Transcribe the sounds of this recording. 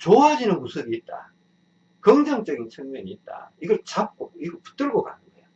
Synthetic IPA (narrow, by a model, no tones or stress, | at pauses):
t͡ɕoad͡ʑinɯnmusʰɯbiːt̚t͈a̰ | kʌŋd͡ʑaŋt͡ɕ͈ʌɡint͡ɕʰɯŋmjʌɲiːt̚t͈a̰iɡʌɭt͡ɕap̚k͈oiɡʌɭpu̥t͈ɯɭɡoka̰nʰɯndejo